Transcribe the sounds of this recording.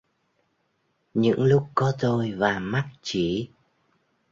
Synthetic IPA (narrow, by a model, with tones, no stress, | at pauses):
ɲɨ̰˧˥ŋlʊ˦˥k͡p̚kːɔ˨˦t̪o˧jvaː˨˩ma˦˥t̚t͡ɕi˧˩